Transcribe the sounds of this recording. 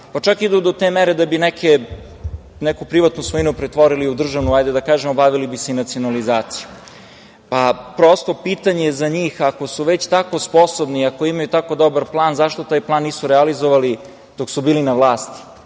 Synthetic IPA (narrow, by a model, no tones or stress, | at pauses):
pat͡ʃakid̪ud̪ot̪emeɾed̪abinɛke | nɛkupɾiʋat̪nusʋoinupɾet̪ʋo̞ɾiliud̪r̩ʒaʋnuajd̪ed̪akaːʒemobaʋilibiseinat̪sio̞nalizaːt̪siju | papɾost̪o̞piːt̪aɲeezaɲiːxako̞suʋet͡ɕt̪ako̞spo̞sobniako̞imajut̪ako̞d̪o̞baɾplˠaːnzaʃt̪o̞t̪aːjplaːnːiːsuɾɛalizoʋali | d̪̥oksubiːlinaʋlˠaːst̪i̥